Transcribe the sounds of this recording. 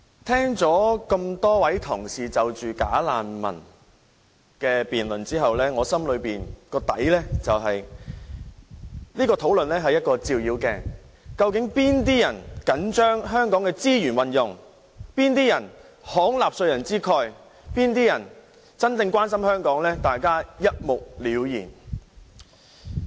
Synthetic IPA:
t̪ʰɛː˥ŋt͡sɔː˨˥kɐ˧mt̪ɔː˥wɐ˨˥jt̪ʰʊ˨˩ŋsiː˨t͡sɐ˨wt͡ʃyː˨ka̰ː˨˥laː˨nmɐ̰˨˩n | kɛː˧piː˨nlɵ˨˩nt͡siː˥ɦɐ˨wlɛː˥ŋɔː˨˧sɐ˥mlɵ˨˧ɥpiː˨nkɔː˧t̪ɐ̰˨˥jlɛː˥t͡sɐ˨wɦɐ˨j | niː˥kɔː˧t̪ʰo˨˥wlɵ˨nlɛː˥ɦɐ˨jɐ˥t̚kɔː˧t͡siː˧wjiː˨˧wkɛ̰ː˧kɐ˧wkɪ˨˥ŋpiː˥nt̪̬iː˥jɐ˨˩nkɐ˨˥nt͡ʃœː˥ŋɦœː˥ŋkɔː˨˥ŋkɛː˧t͡siː˥jyː˨˩nwɐ˨njʊ˨˩ŋ | piː˥nt̪iː˥jɐ˨˩n | hɔː˨˥ŋlaː˨p̚sɵ˧ɥjɐ˨˩nt͡siː˥kʰɔː˧j | piː˥nt̪̬iː˥jɐ˨˩n | t͡sɐ˥nt͡sɪ˧ŋkwaː˥nsɐ˥mhœː˥ŋkɔː˨˥ŋlɛː˥t̪aː˨jkaː˥jɐ˥t̚mʊ˨k̚liː˨˥wjiː˨˩n

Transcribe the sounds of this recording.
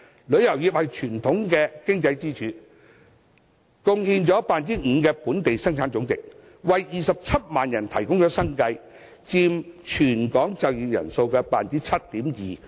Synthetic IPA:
lɵ˨˧ɥjɐ˨˩wjiː˨p̚hɐ˨jt͡ʃʰyː˨˩nt̪ʰʊ˨˥ŋkɛː˧kɪ˥ŋt͡sɐ˧jt͡siː˥t͡ʃʰyː˨˥ | kʊ˧ŋhiː˧nt͡ʃɔː˨˥paː˨˧nt͡siː˥ŋ̩˨˧kɛː˧puː˨˥nt̪e˨jsɐ˥ŋt͡sʰaː˨˥nt͡sʊ˨˥ŋt͡sɪ˨k̚ | wɐ˨jːiː˨˩sɐ˨p̚t͡sʰɐ˥t̚maː˨njɐ˨˩nt̪ʰɐ˨˩jkʊ˥ŋt͡ʃɔː˨˥sɐ˥ŋkɐ˧j | t͡siː˧mt͡ʃʰyː˨˩nkɔː˨˥ŋt͡sɐ˨wjiː˨jɐ̰˨˩nso˧wkɛː˧paː˨nt͡siː˥t͡sʰɐ˥t̚t̪iː˨˥mjiː˨˩

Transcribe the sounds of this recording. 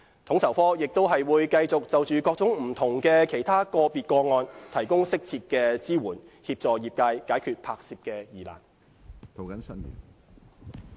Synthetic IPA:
t̪ʰʊ˨˥ŋsʰɐ˨˩wfɔː˥jɪ˨k̚t̪o˥wɦɐ˨jwuː˨˧jkɐ˧jt͡sʊ˨k̚t͡sɐ˨wt͡ʃyː˨kɔː˧k̚t͡sʊ˨˥ŋm̩˨˩t̪ʰʊ˨˩ŋkɛː˧kʰe˨˩jt̪ʰaː˥kɔː˧piː˨t̚kɔː˧ŋɔː˧nt̪ʰɐ˨˩jkʊ˥ŋsɪ˥k̚t͡sʰiː˧t̚kɛː˧t͡siː˥wuː˨˩nhiː˧p̚t͡sɔː˨˩jiː˨˩p̚kaː˧jkaː˨˥jkʰyː˧t̚pʰaː˧k̚siː˧p̚kɛː˧jiː˨˩la̰ː˨˩n | t̪ʰo˨˩wkɐ˨˥˦nsɐ˥njḭː˨˩n

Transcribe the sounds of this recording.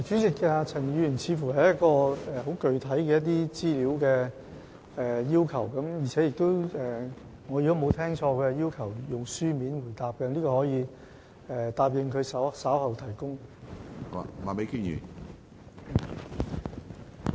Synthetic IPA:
t͡ʃyː˨˥t͡sɪ˨kːaː˧t͡sʰɐ˨˩ŋjyː˧˨˩nt͡sʰiː˨˧fuː˨˩ɦɐ˨jɐ˥t̚kɔː˧ɛː˨˩ɦo˨˥wkɵ˨ɥt̪ʰɐ˨˥jkɛː˧jɐ˥t̪̬̚iː˥t͡siː˥liː˨˥wkɛː˧ | ɛː˨˩jiː˥wkʰɐ˨˩wkɐ˨˥mji˨˩t͡sʰɛː˨˥jɪ˨k̚t̪o˥wɛː˨ | ŋɔː˨˧j̚t̪o˥mo˨˧wt̪ʰɛː˥ŋt͡ʃʰɔː˧kɛː˧jiː˥wkʰɐ˨˩wjʊ˨ŋsyː˥miː˨˥nwuː˨˩jt̪aː˨p̚kɛ˧nliː˥kɔː˧hɔː˨˥jiː˨˧ | ɛː˨t̪aː˨˧p̚jɪ˨ŋkʰɵ˨˧sɐ˨˥wsaː˨˥whɐ˨wt̪ʰɐ˨˩jkʊ˥ŋ | a̰˨ma̰˨me˨˥jki˥jy̰ː˨˩˨

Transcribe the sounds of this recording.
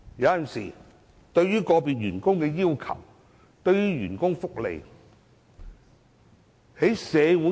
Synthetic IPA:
jɐ˨˧wjɐ˨nsḭː˨˩ | t̪ɵ˧ɥjyː˥kɔː˧piː˨t̚jyː˨˩nkʊ˥ŋkɛː˧jiː˥wkʰɐ̰˨˩w | t̪ɵ˧ɥɥyː˥jyː˨˩nkʊ˥ŋfʊ˥k̚lḛ˨j | he˨˥jsɛː˨˧wuː˨˥

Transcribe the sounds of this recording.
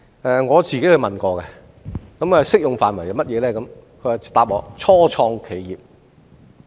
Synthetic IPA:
ɛː˨˧ŋɔː˨˧t͡siː˨ke˨˥hɵ˧mɐ˨nkɔː˧kɛ˧ | kɐ˨˥m˧˩˨sɪ˥k̚jʊ˨ŋfaː˨nmɐ˨˩jɐ˨˧wmɐ˥t̚jɛː˨˧lɛː˥kɐ˨˧m | kʰɵ˨˧ɥwaː˨t̪aː˨p̚lɔː˨˧t͡sʰɔː˥t͡sʰɔː˧ŋkʰe˨˧jjiː˨p̚

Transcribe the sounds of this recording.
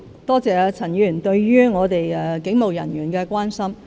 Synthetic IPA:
t̪ɔː˥t͡sɛː˨˧t͡sʰɐ˨˩njyː˨˩nt̪ɵ˧ɥɥyː˥ŋɔː˨˧t̪e˨jɛ˧kɪ˨˥ŋmo˨wjɐ˨˩nɥyː˨˩nkɛː˧kʷwaː˥nsɐ˥m

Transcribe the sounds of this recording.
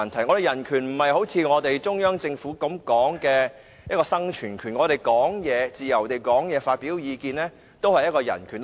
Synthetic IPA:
ɐ˨˩nt̪ʰɐ˨˩jŋɔ˨˧t̪e˨jɐ˨˩nkʰyː˨˩nm̩˨˩hɐ˨jho˨˥wt͡sʰiː˧ŋɔː˨˧t̪e˨jt͡sʊ˥ŋjœː˥ŋt͡sɪ˧ŋfuː˨˥kɐ˨˧˥mkɔː˨˥ŋkɛː˧ | jɐ˥kɔː˧sɐ˥ŋt͡ʃʰyː˨˩nkʰyː˨˩nŋɔː˨˧ɾe˨˩jkɔː˨˥ŋjɛː˨˧t͡siː˨jɐ˨˩wt̪e˨jkɔː˨˥ŋjɛː˨˧faː˧t̚piː˨˥wjiː˨˧kiː˧nlɛː˥ | t̪o˥whɐ˨jɐ˥t̚kɔː˧jɐ̰˨˩nkʰyː˨˩n

